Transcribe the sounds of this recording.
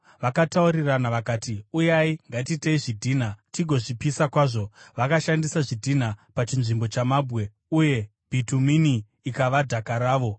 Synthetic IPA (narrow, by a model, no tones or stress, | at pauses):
ʋakatauɾiranaʋakaːtiujaiŋɡatiteiʐidʱiːnatiɡʱo̞ʐipisakwaːʐo̞ʋakaʃandisaʐidʱinapat͡ʃinʐimbo̞t͡ʃamaːbɣe̞ | uje̞ | b̥ʱituminiː | kaʋadʱakaɾaːʋo̞